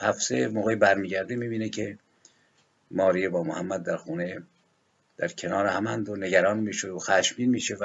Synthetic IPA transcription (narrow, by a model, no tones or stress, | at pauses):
hæfsemoːɣejbæɾmiːɟæɾd̪emiːbiːnekʰe | mɒːɾiːebɒːmohæmːæd̪ːæɾxuːne | d̪̥æɾcʲʰenɒːɾehæmænd̪oneɡæɾɒːnmiːʃod̪oxæʃmiːnmiːʃev